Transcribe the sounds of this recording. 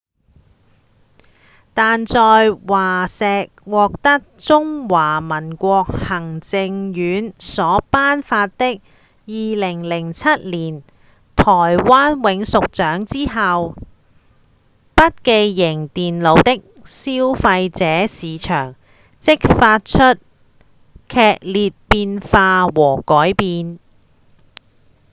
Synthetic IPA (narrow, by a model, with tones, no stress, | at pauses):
t̪aː˨nt͡sɔː˨jwaː˨˩sɛː˨k̚wɔː˨k̚t̪ɐ˥k̚t͡sʊ˥ŋwaː˨˩mɐ˨˩nkʷɔː˧k̚hɐ˨˩ŋt͡sɪ˧ŋjyː˨˥nsɔː˨˥paː˥nfaː˧t̚t̪ɪ˥k̚ | jiː˨˧lɪ˨˩ŋlɪ˨˩ŋt͡sʰɐ˥t̚liː˨˩n | t̪ʰɔː˨˩jwaː˥nwɪ˨˧˥ŋsʊ˨k̚t͡ʃœː˨˥ŋt͡siː˥ɦɐ˨w | pɐ˥t̚ke˧jːɪ˨˩ŋt̪iː˨nlo˨˧˥wt̪ɪ˥k̚siː˥wfɐ˧jt͡sɛː˨˥siː˨˧t͡ʃʰœ̰ː˨˩ŋ | t͡sɪ˥k̚faː˧t̚t͡ʃʰɵ˥t̚ | kʰɛː˧k̚liː˨t̚piː˧nfaː˧wɔː˨˩kɔː˨˥jpiː˧n